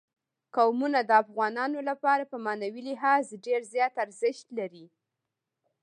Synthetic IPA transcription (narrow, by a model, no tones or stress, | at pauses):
kawmunad̪əafɣɑnɑnolapɑɾapəmɑnawilɪɦɑzɖeɾzjɑt̪aɾzɪʃt̪laɾi